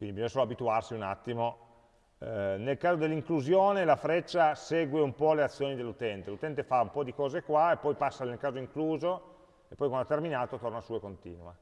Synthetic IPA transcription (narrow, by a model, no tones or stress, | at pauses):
kwind̪ibizõnsoloabit̪uarsiunat̪ːimo | nelkaːzod̪elːiŋkluzjoːnelafɾɛt͡ʃːasɛːɡweumpɔleat̪sːjoːnid̪elːut̪ɛnt̪elut̪ɛnt̪efaumpɔd̪ikɔːzekwaepːɔjpasːalnelkaːzoiŋkluːzo | epːɔjkanlat̪ːerminaːt̪ot̪ornasuːekont̪ḭːnuwa